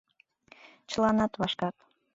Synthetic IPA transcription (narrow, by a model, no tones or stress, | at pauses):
t͡ʃlˠɑnɑt̪vɑʃkɑt̪